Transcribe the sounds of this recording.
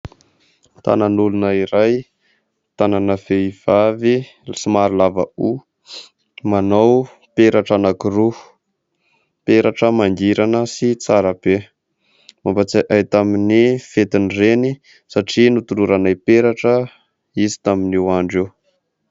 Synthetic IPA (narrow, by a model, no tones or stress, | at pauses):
t̪a̰nanulunəiɾaj | t̪ananəveiv̥avi | simaɾilavəu | manaw | peɾaʈ͡ʂanakiru | peɾaʈ͡ʂəmaŋɡiɾanəsit͡saɾəb̥e | mambat͡saʔajt̪aminifet̪inreni | saʈ͡ʂinut̪uluɾanajpeɾaʈ͡ʂə | izi̥t̪aminiwaɳɖ͡ʐew